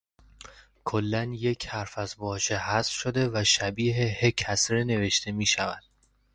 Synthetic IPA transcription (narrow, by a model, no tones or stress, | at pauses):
kʰolːænje̞cʰhæɾfæzbɒːʃehæsfʃod̪e̞væʃæbiːɦehecʰæsɾene̞ve̞ʃt̪ʰe̞miːʃævæd̪̥